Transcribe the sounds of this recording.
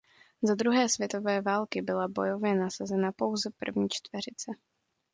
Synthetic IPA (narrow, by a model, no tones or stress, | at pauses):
zad̪ɾuɦɛːsvjɛt̪o̞vɛːvaːlkɪbɪlabo̞jo̞vjɛnasazɛnapo̞wzɛpr̩vɲiːt͡ʃt̪vɛɾɪt͡sɛ